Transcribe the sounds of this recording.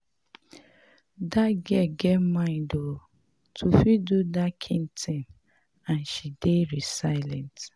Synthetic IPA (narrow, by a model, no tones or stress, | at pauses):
daɡɛɡɛmãɪ̃ndo | tʰufidudakʰĩntʰĩn | ãnʃideɹisaɪlɛ̃nt